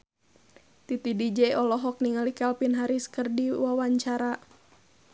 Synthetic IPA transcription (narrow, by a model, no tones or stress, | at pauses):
t̪it̪idid͡ʒɛɔlɔɦɔk̚niŋalikalpinɦaɾisə̥kərdiwawaɲt͡ʃaɾa